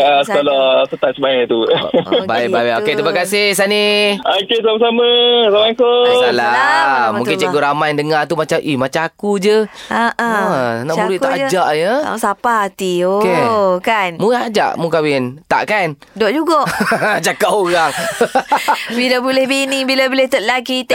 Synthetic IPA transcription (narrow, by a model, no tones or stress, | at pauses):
əsəkolɔsət̪at̪̚səbaɛt̪ubaibawɛoket̪ɾimakasɪhsaniokesamas̬aməsamakoalamuŋkɪnt͡ʃəɡoʔɾamajndəŋat̪umat͡ʃamʔihmat͡ʃakud͡ʒəaʔaanaʔuɾiʔkt̪aʔad͡ʒaʔjəa̰sapat̪iokekanmuad͡ʒa̰ʔmukawɪnt̪a̰ʔkan | doʔd͡ʒuɡoʔt͡ʃakapoɣaŋ | bilabulɛhbinibilabolɛht̪ət̪̚laɡit̪